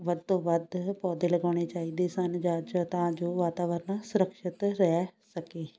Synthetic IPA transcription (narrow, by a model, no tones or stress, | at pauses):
ʋəd̪̚t̪õːʋəd̪pɔːd̪eːləɡaːɽ̃eːt͡ʃaːiːd̪eːsənd͡ʒaːd͡ʒt̪ãːd͡ʒoːʋaːt̪aːʋəɾnaːsʊɾəkʃɪt̪ɾɛːsəkeː